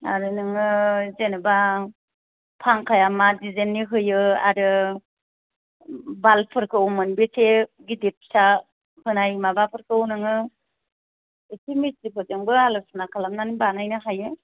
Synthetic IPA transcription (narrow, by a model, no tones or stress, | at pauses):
a̰ɾɯnɯŋɯzenɯba | pʰaŋkʰajamadizenːiɦɯjɯa̰ɾɯ | balpʰɯɾkʰɯwmɯnbeseɡidip̚sa | hɯnajmabapʰɯɾkɯwnɯŋɯ | esimisɾipʰɯzeŋbɯalɔsunakʰalamnanibanajnɯɦajɯ